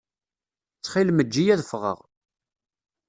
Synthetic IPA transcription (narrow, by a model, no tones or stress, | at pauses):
t͡sːχilməd͡ʒːijæðəfʁə̰ʁ